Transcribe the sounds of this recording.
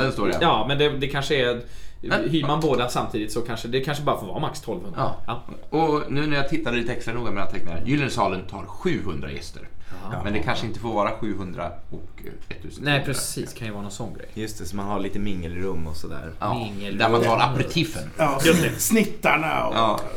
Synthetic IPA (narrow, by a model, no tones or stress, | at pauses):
d̪ɛnst̪oːɾa̰jɑːmɛnd̪ɛd̪ɛkʰanʂəɛ | hyːɾmanboːd̪asamt̪ʰiːd̪ɪt̪sɔkʰanʂəd̪ɛkʰanʂəbɑːɾafoːɾvɑːɾamakst̪ʰɔlvhɵnaɑɔnʉ̟ːnæɾjat̪ʰɪt̪ːad̪liːt̪əɛkst̪ɾanuːɡamɛːnat̪ʰɛŋk̚ːt̪aɛ̰jyːlənsɑːlənt̪ʰɑ̰ːɾɧʉ̟ːhɵnd̪ɾa̰jɛ̰st̪ə̰ɾmɛnd̪ɛkʰanʂəɪnt̪əfoːɾvɑːɾaɧʉ̟ːɦɵnd̪ɾa̰ɔkɛt̪ʰːʉːsənɛpʰɾɛsiːskʰanjəvɑːɾanɔnsɔnːɡɾɛ̰jjɵst̪ʰɛsɔmanhaɭiːt̪əmɪŋːəlɪɾɵmːɔsɔd̪æ̰ːɾɪŋːld̪æɾmant̪ʰɑːɾaɾt̪ʰɪfə̰njɵst̪ɛsnɪt̪ːaɳa̰ɔ̰ʔɑː